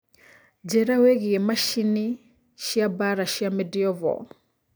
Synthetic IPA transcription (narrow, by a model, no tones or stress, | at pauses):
d͡ʒɛɾawɛɣiɛmaʃini | ʃiabaɾaʃiamɛdiɔvɔ̰